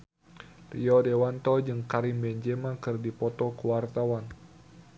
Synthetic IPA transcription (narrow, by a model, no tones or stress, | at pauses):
riɔdɛwant̪ɔd͡ʒɨŋkaɾimbɛɲd͡ʒɛmakɨrdipɔt̪ɔkuwart̪awan